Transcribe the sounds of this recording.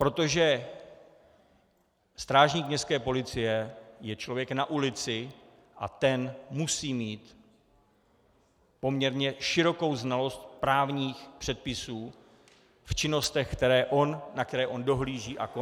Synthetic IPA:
pɾo̞t̪o̞ʒɛ | st̪ɾaːʒɲiːkmɲɛst̪kɛːpo̞lɪt͡sɪjɛjɛt͡ʃlo̞vjɛknaʔulɪt͡sɪ | ʔa̰t̪ɛnmusiːmiːt̪ | po̞mɲɛɾɲɛʃɪɾo̞ko̞wznalo̞st̪̚pɾaːvɲiːxpr̥ɛt̪̚pɪsuː | ft͡ʃɪno̞st̪ɛxkt̪ɛɾɛːʔonnak̚t̪ɛɾɛːʔo̞ndo̞ɦliːʒiːʔako

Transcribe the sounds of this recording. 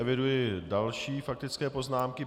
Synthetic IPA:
ɛvɪdujɪdalʃiːfak̚t̪ɪt͡skɛːpo̞znaːmkɪ

